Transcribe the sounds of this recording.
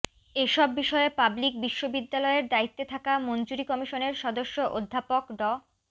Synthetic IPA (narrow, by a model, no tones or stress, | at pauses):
eʃɔbːiʃɔepablik̚biʃːobid̪ːalɔeɾd̪ait̪ːet̪ʰakamond͡ʑuɾikɔmiʃoneɾʃɔd̪oʃːoʔod̪ʱːapokɖɔ